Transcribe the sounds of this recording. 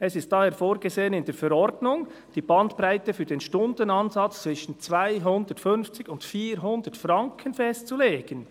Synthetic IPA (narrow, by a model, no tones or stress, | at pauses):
ɛsɪstd̥ɑheːfoːɾɡezeːənɪndeːfɛɾɔɾdnʊŋd̥iːbɑndpɾaɪtɛfyːɾdeːnʃtʊndənɑnzɑt͡st͡svɪʃən̩t͡svaɪɦʊndətfʏnft͡sɪɡʊntfiːɾɦʊndətfrɑŋkʰənfɛstt͡suleːɡ̥ən